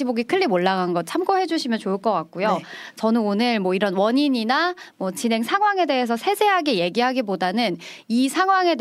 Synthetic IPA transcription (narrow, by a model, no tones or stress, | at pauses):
iboɡikʰɯʎːimoɭːaɡanɡʌt̚t͡ɕʰamk͈oɦe̞d͡ʑuɕʰimjʌnt͡ɕoɯɭk͈ʌk͈ak̚k͈ujot͡ɕʌnɯnonɯɭmwʌiɾʌnwʌɲiɲinamwʌt͡ɕinɦeŋsʰaŋɦwaŋe̞de̞ɦes̬ʰʌsʰe̞sʰe̞ɦaɡeje̞ɡiɦaɡibodanɯn | isʰaŋɦwaŋe̞